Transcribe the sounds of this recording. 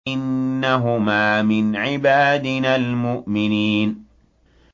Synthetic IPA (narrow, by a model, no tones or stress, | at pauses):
ɪnːaɦʊmaːmɪnʕɪbaːd̪ɪnaːlmʊʔmɪniːn